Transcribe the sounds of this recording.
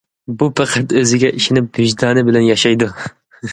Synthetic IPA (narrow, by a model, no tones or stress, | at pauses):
bupʰæqʰæt̪øzɪɡʲɛʔiʃɪnɪp̚byʒd̪ɑːnɨbɪlɛnjɑʃɑjd̪u